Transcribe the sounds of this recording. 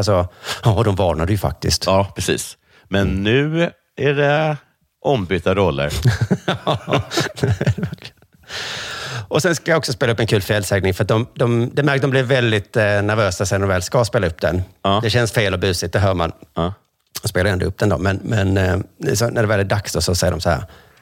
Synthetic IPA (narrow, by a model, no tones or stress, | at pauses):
sɔjɑːd̪ɔmvɑːnad̪ɛjɵfa̰k̚t̪ɪ̰skt̪ɑːpʰɾɛsḭːs | mɛnːʉ̟ː | æɖɛ | ʔɔmbyːt̪aɾɔlːə̰ɾ | ɾɛvæɾklən | ɔsɛnskajaɔksɔspeːlaɵpːɛnkʰʉ̟ːlfɪɛlsɛːɡnɪŋfœɾat̪̚d̪ɔmd̪ɔmd̪ɛmæɾk̚d̪ɔmblɪɾvɛld̪ɪt̪næɾvøːsasɛnd̪ɔmvɛːlskaspeːlaɵpːd̪ɛnɑːd̪ɛɕɛnsfeːlɔbʉ̟ːsɪt̪̚d̪ɛɦœːɾma̰nː | ɔspeːlaɾɛnd̪ɔ̰ɵp̚ːd̪ɛnd̪o̰ːmɛnmɛnsɔnæɖɛvɛld̪ɪd̪aksd̪ɔsɔsɛjːəɾɔmsɔhæ̰ːɾ